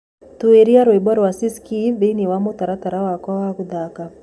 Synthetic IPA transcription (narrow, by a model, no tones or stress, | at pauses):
t̪ueɾiaɾwɛbɔɾwasiskiveniwamɔt̪aɾat̪aɾawakɔwakud̪aka